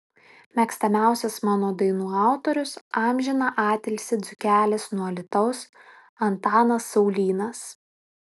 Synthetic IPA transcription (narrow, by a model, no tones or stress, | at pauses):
mʲɛkst̪ɐmʲæˑʊsʲɛsmɑːnoːd̪ɐɪnuːɑˑʊt̪ɔɾʲʊsɑmʲʒʲɪnɐʔɑːt̪ʲɛlʲsʲɪd̪zʊkʲæːlʲɪsnuɔlʲɪt̪ɐʊs | ɐnt̪ɑːnɐsːɒʊlʲiːnɐs